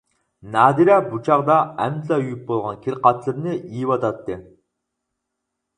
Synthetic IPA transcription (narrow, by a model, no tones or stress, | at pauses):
nɑːd̪iɾɛbut͡ʃʰɑʁd̪ɑæmzɑyjyp̚bolˠʁɑnkʲʰiɾqɑt͡ʃ̪ʰlˠɨɾnɪijivɑt̪ʰɑt̪ːɨ